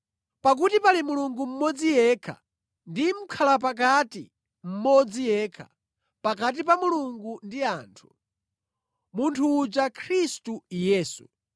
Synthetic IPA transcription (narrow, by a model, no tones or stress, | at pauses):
pak̬utipalimuluŋɡum̩mɔd͡zijɛkʰa̰ | ndim̩kʰalap̬ak̬atḭ | m̩mɔd͡zijɛkʰḁ | pak̬at̬ipamuluŋɡundiaːntʰu̥ | muntʰuːd͡ʒakʰɾistujɛːsṵ